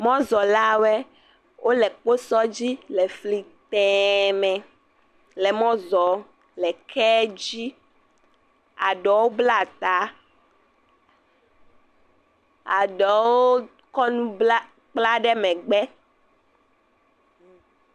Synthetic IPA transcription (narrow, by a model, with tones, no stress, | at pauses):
mɔ̃˦zɔ˨la˦wɛ˦ | wʔo˦lɛ˨k͡po˦sɔ˦d͡ʑi˦lɛ˨fli˨t̪ɛ˨mɛ̃˨ | lɛ˨mɔ̃˦zɔ˨ | lɛ˨kʰɛ˦d͡ʑi˦ | a˨ɖɔ˨wo˦bla˦˨t̪a˦ | a˨ɖɔ˨wo˦ | kɔ˦nũ˦bla˦ | k͡pla˦ɖɛ˦mɛ̃˨ɡ͡bɛ˦